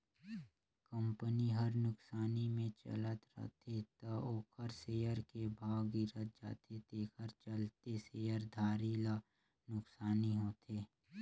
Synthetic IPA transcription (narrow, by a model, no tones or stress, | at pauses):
kə̃mpəniɦəɾnʊksaːnimẽt͡ʃə̰lət̪ɾə̰t̪ʰet̪ɐoːkəɾseːjəɾkebʱaːwɡiɾət̪̚d͡ʒa̰ːt̪ʰed̪eːkʰəɾt͡ʃəlt̪eseːjəɾd̪ʱaːɾiːla | nʊksaːniɦoːt̪ʰeː